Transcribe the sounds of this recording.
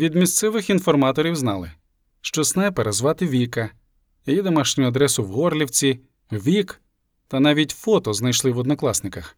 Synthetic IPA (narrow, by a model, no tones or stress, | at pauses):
ʋʲid̪mʲist̪sɛʋɪxinfɔrmɑt̪ɔɾʲiwznɑlˠɪ̰ | ʃt͡ʃɔsnɛpeɾezʋɑt̪ɪʋʲikɐ | jɐjid̪ɔmɑʃnʲʊʊɐd̪ɾɛsʊwɦɔrlʲiwt͡sʲi | ʋʲik | t̪ɐnɑʋʲitʲfɔt̪ɔznɐjʃlˠɪʋɔd̪nɔklˠɑsnɪkɐx